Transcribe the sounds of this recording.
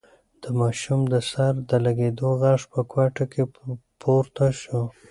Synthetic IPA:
d̪̥əmɑʃumd̪əsaɾd̪əlaɡed̪oɣɑʂpəkwaʈakʰepʰoɾt̪aʃu

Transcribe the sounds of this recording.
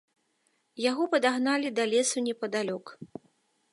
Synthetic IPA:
jaɣɔpɐd̪aɣnalʲid̪ɐlʲɛsunʲɛpɐd̪alʲɔk

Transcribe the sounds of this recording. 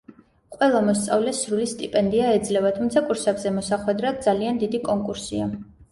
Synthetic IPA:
qʼwɛlˠamɔst̪sʼa̰vlɛsɾulist̪ʼipʼɛnd̪iaɛd̪zlɛvat̪ʰumt̪sʰakʼuɾsɛbzɛmɔsaχwɛd̪ɾad̪̚d̪zaliand̪id̪ikʼɔŋkʼuɾsia

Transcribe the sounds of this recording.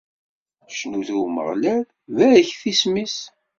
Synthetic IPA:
ʃnuθumə̰ʁlæð | væɾəçθismis

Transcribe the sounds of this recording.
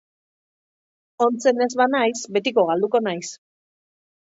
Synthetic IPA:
o̞nt͡se̞ne̞zβanajsbe̞t̪iko̞ɣald̪uko̞najs

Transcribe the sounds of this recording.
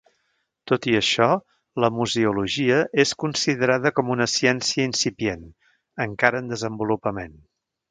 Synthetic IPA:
t̪ot̪iəʃɔ | ləmuziuluʒiəʔeskunsiðəɾaðəkɔmunəsiɛnsiəinsipijen | əŋkaɾəːnd̪əzəmbulupəmen

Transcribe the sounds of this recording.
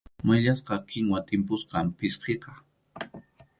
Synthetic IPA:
mʊjʎasqɑkɪŋwat̪ɪmpʊsqɑmpɪsqeqɑ̥

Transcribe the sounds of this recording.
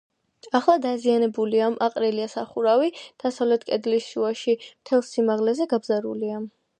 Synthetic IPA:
aχlˠad̪azianɛbuliamʔaqʼɾɛliasaχuɾavid̪̥asavlɛt̪ʰkʼɛd̪lisʃuaʃimt̪ʰɛlˠsimaʁlɛzɛɡabzaɾṵliam

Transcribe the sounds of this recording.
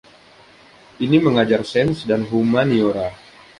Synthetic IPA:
ʔiniməŋad͡ʒarsɛnsdanɦumanijoɾa

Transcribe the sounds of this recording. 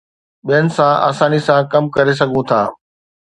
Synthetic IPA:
ɓijənɪ̆sãʔa̰ːsaːnisãkɐmkɐɾes̬ɐɡʱũt̪ʰaː

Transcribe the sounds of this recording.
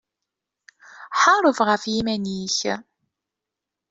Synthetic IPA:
ħɑɾˤəvʁəfjimæniç

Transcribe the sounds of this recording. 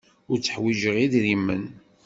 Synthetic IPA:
ʊɾt͡sːə̥ħwiʒəʁiðɾimːən

